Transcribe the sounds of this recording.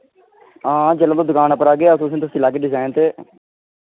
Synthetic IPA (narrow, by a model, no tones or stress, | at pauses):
ãːd͡ʒələ̃ːt̪õd̪ʊkaːnəpəɾaːɡeːat̪ʊs̬ĩt̪ʊsĩːlaːkeːɖɪzaːɪnt̪eː